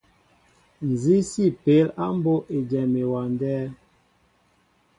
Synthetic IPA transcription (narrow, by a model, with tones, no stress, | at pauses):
n̩˨zi˦si˦˨pe˨˦la˦m˦bo˦ʔe˨d͡ʒɛ˨me˨wa˨ndɛː˦